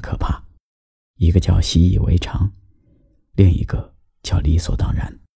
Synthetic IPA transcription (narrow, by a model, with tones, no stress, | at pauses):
kʰɤ˨˩pʰa˥˩ | i˧˥ɡə˧t͡ɕjɑ˥˩ʊɕi˥i˨˩wḛ˧˥ɪʈ͡ʂʰɑ˧˥ŋ | li˥˩ŋḭ˧˥ɡə˧ | t͡ɕjɑ˥˩ʊli˧˥swɔ̰˨˩t̪ɑ˥ŋɻa̰˧˥n